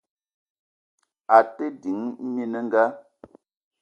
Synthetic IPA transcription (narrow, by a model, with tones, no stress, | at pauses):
a˨te˦di˨˦ŋ˦mi˦nə˦ŋ̩˦ɡa˦